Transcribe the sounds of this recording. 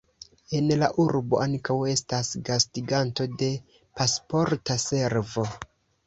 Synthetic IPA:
e̞nlaʔuɾbo̞aŋkawe̞stasɡastiɡanto̞de̞ | paspo̞ɾtase̞ɾvo̞

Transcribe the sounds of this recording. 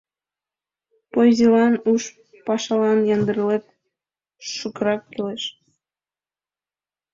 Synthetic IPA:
pozilɑnuʃ | pɑʃɑlɑnjɑnd̪əɾlek̚ | ʃukəɾɑkːeleʃ

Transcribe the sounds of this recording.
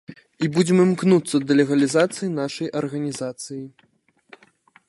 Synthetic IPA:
ibud͡zʲɛmɨmknut̪sːɐd̪ɐlʲɛɣɐlʲizat̪sɨjinaʂɐjʔɐrɣɐnʲizat̪sɨji

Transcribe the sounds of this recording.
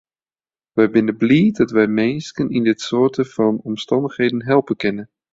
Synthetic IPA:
ʋɛjbɪnəbliːdɑtʋɛjmestənindɪtsʊːɹtəvɑnɔmstɑndəχhejdənɦɛlˠpənkɪnən

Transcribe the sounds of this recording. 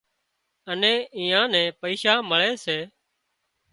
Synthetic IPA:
ənẽːʔĩːãːnɛ̃ːpəiːʃaːməɭeːseː

